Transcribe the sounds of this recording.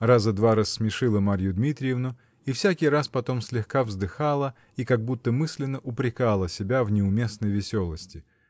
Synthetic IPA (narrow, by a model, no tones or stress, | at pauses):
razəd̪vaɾasːmʲɪʂɨlˠəmaɾʲjʊd̪mʲit̪ɾʲɪjɪvnʊ | ifsʲakʲɪjɾaspɐt̪o̞msʲlʲɪxkavzd̪ɨxalˠə | ikaɡ̚but̪ːəmɨsʲlʲɪnːəʔʊpɾʲɪkalˠəsʲɪbʲavnʲɪʊmʲe̞snəjvʲɪsʲo̞lˠəsʲtʲɪ